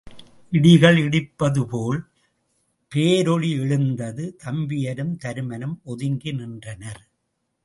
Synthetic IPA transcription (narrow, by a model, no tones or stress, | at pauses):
ʔɪɽɪɣɐɭɪɽɪpːɐðɯpoːl | peːɾɔɻiɛɻɯnd̪ɐðɯt̪ʰɐmbɪjɐɾɯmt̪ɐɾɯmɐnɯmɔðɪŋɡɪnɪndrɐnɐɾ